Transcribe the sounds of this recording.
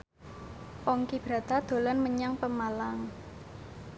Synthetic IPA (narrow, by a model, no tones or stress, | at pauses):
pɔŋkib̥ɾat̪ad̪̥o̤lanməɲaŋpəmalaŋ